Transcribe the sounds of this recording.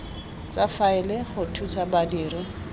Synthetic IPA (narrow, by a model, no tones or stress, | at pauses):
t͡safaɪlɪχʊtʰusabadiːrʊ